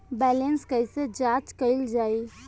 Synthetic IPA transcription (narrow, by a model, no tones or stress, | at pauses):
bɛlenskəised͡ʒat͡ʃkəɪld͡ʒai